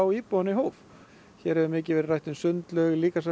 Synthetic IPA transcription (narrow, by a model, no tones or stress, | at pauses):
awiːpowaniɦoːwv | çɛɾhɛvʏmɪːcɪvɛɾɪrajht̪ɪnsʏnt̪lœɣliːkas̬a